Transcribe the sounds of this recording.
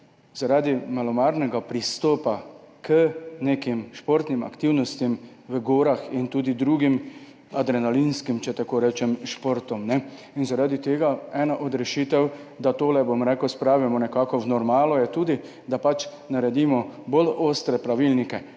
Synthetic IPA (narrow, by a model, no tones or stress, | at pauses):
zaɾaːd̪imalɔmaːɾnɛɡapɾist̪ɔːpakʰənekimʃpoɾt̪nima̰kt̪iwnɔst̪im | ʋəɡoːɾaxint̪uːd̪id̪ɾuːɡim | ad̪ɾɛnalinskimt͡ʃɛt̪akoːɾɛːt͡ʃɛmʃpoːɾt̪ɔmnɛ | inzaɾaːd̪it̪eːɡaɛːnaʔɔd̪ɾɛʃiːt̪ɛwd̪at̪oːlɛbomɾɛkəwspɾaːʋimɔnɛkakɔwnɔɾmaːlɔjɛt̪uːd̪i | d̪apat͡ʃ | naɾɛd̪imɔboloːst̪ɾɛpɾaʋilnikɛ